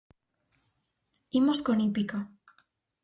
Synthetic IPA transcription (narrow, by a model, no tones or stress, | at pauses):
imoskonipika